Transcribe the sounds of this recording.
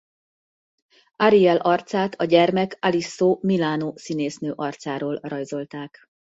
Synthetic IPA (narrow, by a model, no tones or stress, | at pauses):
ɒɾiɛlʔɒrt̪saːt̪ʰɒɟɛrmɛkɒlisːoːmilaːnoːsineːsnøːʔɒrt̪saːɾoːlrɒjzo̞lt̪aːk